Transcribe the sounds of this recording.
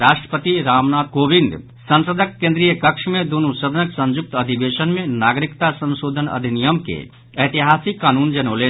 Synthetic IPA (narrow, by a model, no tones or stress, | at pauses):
ɾaːʃʈɾə̥pət̪iɾaːmnaːd̪̚koːbɪ̃nd̪ | sə̃nsəd̪ʱəkːẽnd̪ɾijəkəkʃmẽd̪unusəd̪ənəksə̃nd͡ʒʊk̚t̪ɐd̪ʱiʋeːʃənmẽnaːɡɾɪkt̪asə̃nʃoːd̪ʱənɐ̰d̪ʱinijəmkḛ | ɐɦt̪iɦaːsikːaːnuːnd͡ʒənoːleː